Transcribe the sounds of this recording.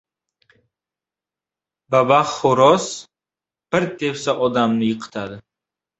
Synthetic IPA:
babaχχʊɾɔs | b̥ɨɾt̪ʰefsaʔɔd̪amnɪjɪqʰɨ̥t̪ʰad̪ɪ

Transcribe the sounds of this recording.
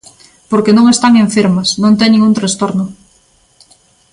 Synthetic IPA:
poɾkenõŋest̪aŋeɱfeɾmɐsnõnt̪eŋnĩŋũnt̪ɾast̪oɾnʊ

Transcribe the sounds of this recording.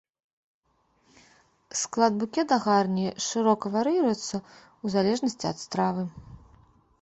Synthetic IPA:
sklˠad̪̚bukʲɛt̪d̪ɐɣarnʲiʂɨɾɔkɐvaɾiɾɐjɛt̪sːɐ | uzalʲɛʐnɐsʲt͡sʲiɐ̰t̪st̪ɾavɨ

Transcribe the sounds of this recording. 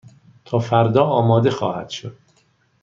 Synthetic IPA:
t̪ʰɒːfæɾd̪ɒːɒːmɒːd̪e̞xɒ̰ːhæ̰d̪̥ʃod̪̥̚

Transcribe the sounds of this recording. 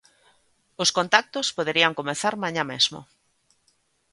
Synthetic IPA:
oskont̪ak̚t̪ospoðeɾiaŋkomeθaɾmãɲamezmo̰

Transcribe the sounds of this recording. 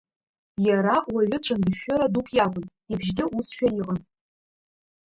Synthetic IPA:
jaɾaʔwaɥʊt͡ʃʷʰʼandɨʃᶣoɾadukʼʰjabʷɨn | ibʒɡʲɪʔusʃᶣajiqʼən

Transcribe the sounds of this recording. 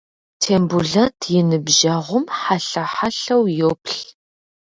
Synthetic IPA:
tʰeːmbuɮɐtʰjɪnɨbʒɐʁʷʊmħaɬɐħaɬɐwjoːpʰɬ

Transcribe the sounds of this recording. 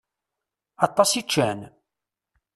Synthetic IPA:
ɑt̪ˤːɑsit͡ʃːæn

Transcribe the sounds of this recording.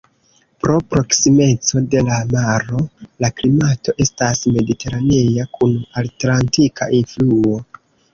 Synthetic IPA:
pɾo̞pɾo̞ksime̞t͡so̞de̞lamaɾo̞laklimato̞ʔe̞stasme̞dite̞ɾanejakʰunaltlantikʰaʔinfluo̞

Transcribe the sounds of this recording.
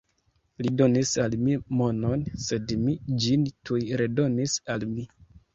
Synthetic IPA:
lido̞nisalmimo̞no̞nse̞dmid͡ʒintʰujɾe̞do̞nisalmi

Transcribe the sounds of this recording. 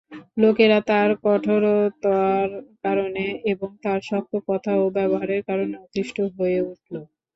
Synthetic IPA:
lokeɾat̪aɾkɔʈʰoɾot̪ɔaɾkaɾoneeboŋt̪aɾʃɔkʰːokɔt̪ʰaobɛboɦaɾeɾkaɾoneɔt̪iʃʈʰoɦojeuʈʰlo

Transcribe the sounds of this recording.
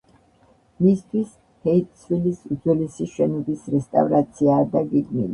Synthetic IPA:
mist̪ʰwis | hɛit̪ʼsʰwilisud̪zwɛlisiʃɛnɔbisɾɛst̪ʼa̰vɾat̪sʰiaːd̪aɡiɡmilḭ

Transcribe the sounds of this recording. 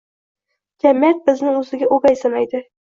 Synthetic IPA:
d͡ʒamijat̪̚bɪznɪŋɵzɪɡʲaʔoɡajsɪnajd̪ɪ

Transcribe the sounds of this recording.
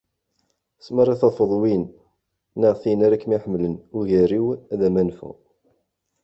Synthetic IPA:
sməɾˤɑθɑfəðˤwinː | əʁθinæɾækːmiħəmlənʊʝæɾiwæðæmænfṵ

